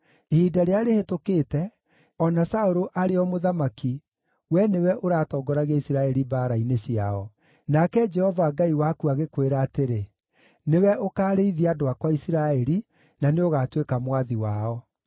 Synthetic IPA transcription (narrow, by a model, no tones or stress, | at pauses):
hiːdaɾeaɾehetokeːtɛ | ɔnasaoɾoʔaɾeɔmoðamaki | wɛnewɛʔoɾaːtɔːɡɔɾaɣaisiɾaɛɾibaːɾaineɕiaɔ | nakɛd͡ʒɛhɔvaːɡaiwakuaɣekweɾaːteɾe | newɛʔokaːɾeiðiadoakwaisiɾaɛɾi | naneoɣaːtwekamwaðiwaɔ